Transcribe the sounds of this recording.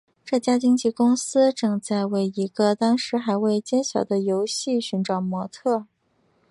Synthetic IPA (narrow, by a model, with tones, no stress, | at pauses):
ʈ͡ʂɤ˥˩t͡ɕja˥t͡ɕi˥ŋt͡ɕi˥˧kʊ˥ŋsɹ̩˥ʈ͡ʂɤ˥˧ŋt͡sa˥˧ɪwe˥˩ɪi˧˥ɡə˧t̪ɑ˥ŋʂɻ̩˧˥xa˧˥ɪwe˥˩ɪt͡ɕjɛ˥nɕjɑ˨˩ʊd̪ə˦jo˧˥ʊɕi˥˩ɕy˧˥nʈ͡ʂɑ˨˩ʊmwɔ˧˥t̪ʰɤ˥˩